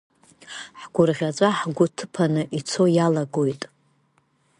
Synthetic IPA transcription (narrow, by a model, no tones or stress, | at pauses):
ħɡʷʊrʁʲat͡ʃʷʼaħɡʷʊtʰɨpʰanɨʔit͡sʰo̞jalaɡo̞jtʼ